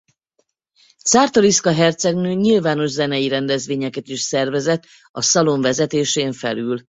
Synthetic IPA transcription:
t̪saːrt̪oɾiskɒɦɛrt̪sɛɡnøːɲilvaːno̞ʒzɛnɛjiɾɛnd̪ɛzʋeːɲɛkɛt̪iʃsɛrvɛzɛt̪ː | ɒsɒlo̞ɱvɛzɛt̪eːʃeːɱfɛ̰lyl

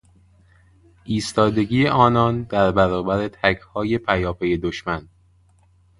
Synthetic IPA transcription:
ʔiːst̪ɒːd̪e̞ɟiːeʔɒːnɒːnd̪æɾbæɾɒːbæɾe̞t̪ʰækʰhɒːje̞pʰæjɒːpʰe̞je̞d̪oʃmæn

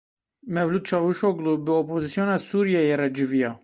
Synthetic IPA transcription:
mɛvluːd̪̚t͡ʃʰɑːvuʃoɡlubɨopʰozisjonɑsuːɾijɛjerɛd͡ʒɨvijɑː

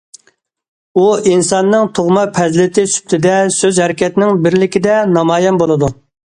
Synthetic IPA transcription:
uinsɑnːɨŋt̪ʰoʁmɑpʰɛzlɪt̪ʰɪsy̥p̚t̪ʰɪd̪ɛsøzhɛɾɪkʲɛt̪ɪnɪŋbɪɾlɪkʲid̪ɛnɑmɑːjɛmbolˠɨd̪u

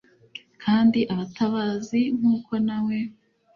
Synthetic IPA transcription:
kʰaːndiʔaβataβaːziŋ̥huːko̞namwe

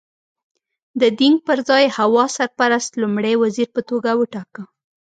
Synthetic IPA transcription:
d̪əd̪iŋɡ̚pəɾzɑjhawɑsaɾpaɾast̪lumɽejwaziɾpət̪oɡawəʈɑkə

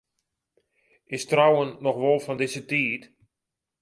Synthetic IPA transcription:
ɪstrawənːɔxʋɔlˠfɔndɪzətiːt

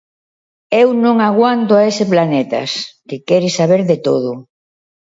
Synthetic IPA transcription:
ewnõŋaɣwant̪oaesɪplanet̪ɐ̰skɪkɛɾɪsaβeɾðet̪oðʊ

